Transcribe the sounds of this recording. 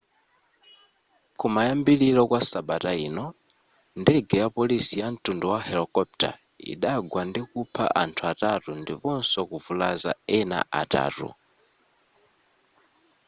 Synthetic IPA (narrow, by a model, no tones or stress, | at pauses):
kumajambililɔkwasaɓatainɔ | ndɛɡɛjapɔlisijan̩tʼunduwahɛlɔkɔp̚ta̰ | ḭɗaɡwandikupʰa̰ʔantʰuatatundḭpɔnsɔkuvulaza̰ɛna̰ʔata̰ːtṵ